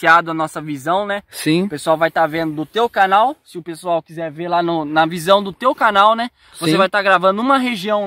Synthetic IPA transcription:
iad̪ʊɐnɔsɐvizɐ̃w̃nɛsĩʊpesuawvajt̪aɾvẽnd̪ʊd̪ʊt̪ewkanawsɪʊpesuawkizɛɾveɾlanʊnɐvizɐ̃w̃d̪ʊt̪ewkanawnɛ | svossevajt̪aɾɡɾavɐ̃nd̪ʊũmɐɦeʒiɐ̃w̃

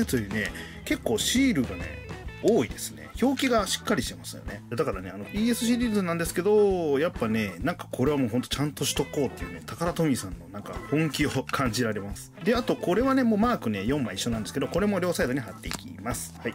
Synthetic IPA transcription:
t̪ojɯ̟ːne̞ | ke̞kːo̞ːɕiːɾɯ̟ɡane̞̰oːid̪e̞sɨ̥ne̞̰ço̞ːkʲiɡaɕi̥kːaɾʲiɕi̥t̪e̞masɨjo̰ne̞d̪akaɾane̞̰ano̞iːe̞sɨɕ̬iɾʲiːzɨnãnd̪esɨ̥ke̞d̪o̞japːane̞nãŋkḁkʰo̞ɾe̞βamo̞ːɦont̪ot͡ɕãnt̪o̞ɕi̥t̪o̞ko̞ːt̪ːe̞jiɯ̟ne̞t̪ʰakaɾat̪o̞mʲisãnːo̞nãŋka̰hõ̞ŋkʲiokʰãɲ̟d͡ʑiɾaɾe̞masɨ̥d̪e̞at̪o̞kʰo̞ɾe̞βane̞mo̞ːmaːkɯ̟ne̞jõ̞mːaiɕːo̞nãnd̪esked̪oko̞ɾe̞mo̞ɾʲo̞ːsaid̪o̞ɲiɦat̪ːe̞ikʲḭmasɨ̥hai

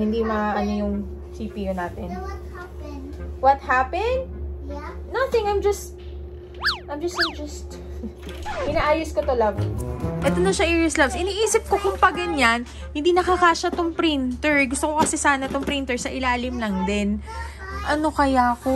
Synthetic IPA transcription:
hɪnd̪imɐaʔɐnojʊŋ | siːpijonaːt̪ɛn | wɐt̪̚hapɛnd̪̚ | nɐθɪ̃ŋajmd͡ʒɐst̪̚ | ʔajmd͡ʒɐst̪ɪŋd͡ʒɐst̪ | ʔɪnaʔaːjʊskot̪olɐvʔɛːt̪onoŋʃɐʔiɹɛslɐbsɪniːʔiːsɪp̚ko̞kʊŋpɐɡɐɲːan | hɪnd̪iːnɐkɐkaːʃɐt̪ʊŋpɾɪnt̪ɛɹɡʊst̪okokɐsɛsaːnɐt̪ʊŋpɾɪnt̪ɛɹsɐʔɪlaːlɪmlɐŋd̪ɛn | ʔɐno̞kɐjako

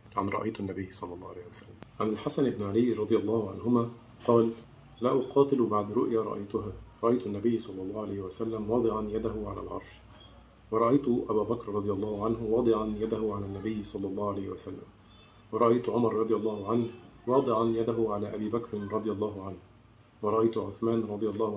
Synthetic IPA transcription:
ʕanɾˤɑʔa̰jt̪ʊʔnːabɪjːsˤɑlːɑlˤːɑːhʕalajhɪwasalːamʕanɪlħasanɪbnɪʕalɪjːɾˤɑd̪ˤɨjɑlˤːɑːhʊʕanɦʊmæː | qɑːl | laːʔʊqɑːt̪ɪlbaʕd̪ɾʊʔjaːɾˤɑ̰ʔa̰jt̪ʊɦaːɾˤɑʔajt̪ʊʔnːæbɪjːsˤɑlːɑlˤːɑːhʊʕalajhɪwasalːamwɑːd̪ˤɨʕanjad̪aɦʊʕalæ̰ːlʕɑ̰ɾˤʃ | wɑɾˤɑʔajt̪ʊʔabaːbakɾɾˤɑd̪ˤɪjɑlˤːɑːhʊʕanɦʊwɑːd̪ˤɨʕanjad̪ahʊʕalaːnːæbɪjːsˤɑlːɑlˤːɑːhʊʕalajhɪwasalːa̰m | wɑɾˤɑʔajt̪ʊʕʊmɑɾˤɾˤɑd̪ˤɨjɑlˤːɑːhʊʕanh | wɑːd̪ˤɨʕanjad̪aɦʊʕalaːʔabiːbakɾɪnɾˤɑd̪ˤɨjɑlˤːɑːɦʊʕanh | wɑɾˤɑʔajt̪ʊʕʊθmaːnɾˤɑd̪ˤɨjɑlˤːɑːh

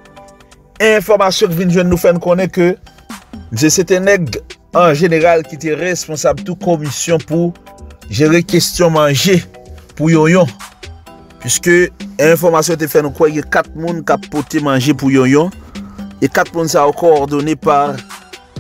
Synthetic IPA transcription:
ɛ̃ɛ̃fɔʁmasjɔ̃k̬ivinʒwɛ̃nːũfɛnũkõnɛ̃kø | m̩s̬eset̪ɛ̃nɛɡɑ̃ʒeneʁalkit̪eʁespɔ̃sabt̪ukomisjɔ̃pu | ʒeʁekest̪jɔ̃mãʒepujɔ̃jɔ̃ | pɥiskøɛ̃ɛ̃fɔʁmasjɔ̃t̬efɛnũkwɛɡɛ̃kat̪̚mũnkapːot̪emãʒepujɔ̃jɔ̃ | ekat̪̚mũnsaokɔɔʁd̪onepaʁ

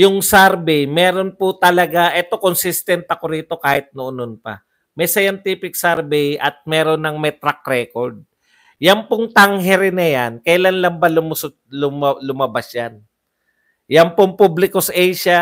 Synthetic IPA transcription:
jʊŋsɛɾbɛjmɛːɾo̞npʊt̪ɐlɐɡaʔɛt̪o̞konsɪst̪ɛnt̪ɐko̞ɾiːt̪o̞kaːhɪt̪̚nʊʔʊnonpɐ̰ | mɛjsɐjant̪iːpɪksɛɾbɛjʔɐt̪̚mɛːɾonːɐŋmɛt̪ɾak̚ɾɛkoɾd̪̚ | jɐnpoŋt̪ɐŋɦɛɾɪnɐjankɐjlanlɐŋbɐlʊmʊsʊt̪̚lʊmlʊmɐbasjan | jɐnpoŋpublɪkosʔɛjʃa

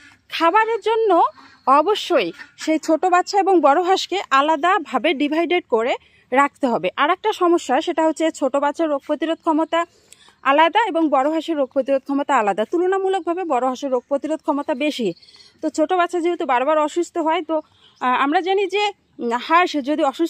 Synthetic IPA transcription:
kʰabaɾeɾd͡ʑonːo | ɔboʃːojʃejt͡ɕʰoʈobatːʃʰaeboŋbɔɾoɦaʃkeʔalad̪abʱabeɖibʱajɖeɖkoɾe | ɾak̚ʰt̪eɦɔbeʔaɾɛk̚ʈaʃɔmoʃːaʃeʈaɦotːɕʰet͡ɕʰoʈobatːɕʰaɾːoɡ̚pɾot̪iɾod̪̚kʰɔmot̪a | alad̪aeboŋbɔɾobʱaʃeɾːoɡ̚pɾot̪iɾod̪̚kʰɔmot̪aalad̪at̪ulonamulok̚bʱabebɔɾobʱaʃeɾːoɡ̚pɾot̪iɾod̪̚ʱkʰɔmot̪abeʃi | t̪ot͡ɕʰoʈobatːʃʰad͡ʑeɦut̪ubaɾobaɾɔʃust̪ʰoɦɔet̪o | amɾad͡ʑanid͡ʑe | haɾʃd͡ʑod̪iɔʃu

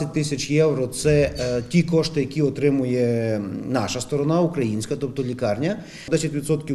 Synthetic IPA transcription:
ɐt̚ʲt̪ɪsʲɐt͡ʃjɛwɾɔt̪sɛtʲikɔʃt̪ɪjɐkʲiɔt̪ɾɪmʊjɛnɑʃɐst̪ɔɾɔnaukɾɐjinʲsʲkɐt̪ɔp̚t̪ɔlʲikɑrnʲɐ | d̪ɛsʲɐtʲʋʲidt̪sɔt̪kʲi

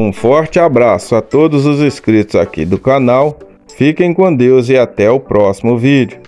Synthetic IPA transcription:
ũfɔɾt͡ʃɪabɾasʊat̪od̪ʊzʊzeskɾit̪ʊza̰kḭd̪ʊkanaw | fikẽj̃kõd̪ewzɪat̪ɛʊpɾɔsimʊvid͡ʒʊ

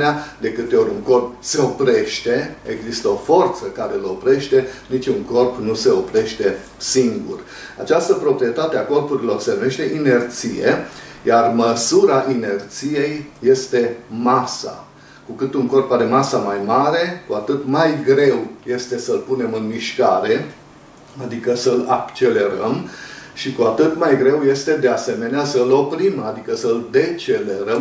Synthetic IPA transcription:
nead̪e̞kɨt̪e̞o̞ɾʲuŋko̞rp̚se̞o̞pɾe̞ʃt̪e̞e̞ɡzist̪əo̞fo̞rt̪səkaɾe̞lo̞pɾe̞ʃt̪e̞nit͡ʃʲuŋko̞rpnuse̞o̞pɾe̞ʃt̪e̞ | siŋɡṵr | a̰t͡ʃast̪əpɾo̞pɾije̞t̪at̪eako̞rpuɾilo̞rse̞nume̞ʃt̪e̞ʔine̞rt̪sijḛjarməsuɾaʔine̞rt̪sije̞jːe̞st̪e̞masa̰ | kukɨt̪uŋko̞rpad̪e̞masəmajmaɾe̞kuat̪ɨt̪majɡɾe̞wje̞st̪e̞səlpune̞mɨnmiʃkaɾe̞ | ad̪ikəsəlakt͡ʃe̞le̞ɾəmʃikuat̪ɨt̪majɡɾe̞wje̞st̪e̞d̪e̞ase̞me̞neasəlo̞pɾimad̪ikəsəld̪e̞t͡ʃe̞le̞ɾəm

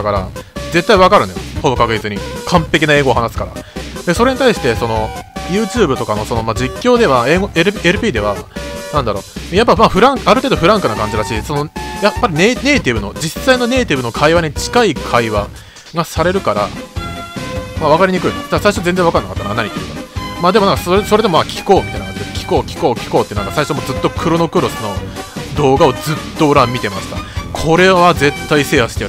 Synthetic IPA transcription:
kaɾa̰d͡ze̞t̪ːaiβakaɾɯ̟nojoho̞bo̞kakɯ̟d͡ʑit͡sɨɲ̟ikʰãmpe̞k̬ʲinae̞ːɡoːhanasɨ̥kaɾa̰d̪e̞so̞ɾe̞ɲit̪aiɕi̥t̪e̞so̞no̞jɯ̟ːt͡ɕɨːbɯ̟t̪o̞kano̞so̞no̞mad͡ʑikʲːo̞ːd̪e̞βaeːɡoeɾɯeɾɯ̟pʲiːd̪e̞βanãnd̪aɾo̞ːejapːamaːɸɯ̟ɾãŋkaɾɯ̟t̪eːd̪oɸɯ̟ɾãŋkɯ̟nakãɲ̟d͡ʑiɾaɕiso̞no̞japːaɾʲinene̞ːt̪ʲibɯ̟no̞d͡ʑisːaino̞ne̞ːt̪ʲibɯ̟no̞kʰaiβaɲ̟it͡ɕi̥kaikʰaiβa | ɡasaɾe̞ɾɯ̟kaɾa̰ | maβ̞akaɾʲiɲ̟ikɯ̟inod̪aasaiɕozend͡zẽβakanːakat̪ːananaɲʲit̪eiɯkamaːd̪eonãŋkasoɾeso̞ɾe̞d̪emo̞makʲʰi̥ko̞ːmʲit̪a̰ijnakãɲd͡ʑid̪ekʲi̥ko̞ːkʲi̥ko̞ːkʲi̥ko̞ːt̪eiɯnãkasaiɕomo̞ːzɨt̪ːo̞kʰɯ̟ɾono̞kɯ̟ɾo̞sono̞d̪o̞ːɡao̞d͡zɨt̪ːo̞oɾãmːʲit̪e̞masɨ̥ka̰kʰo̞ɾe̞βaze̞t̪ːaise̞ːhaɕi̥t̪e

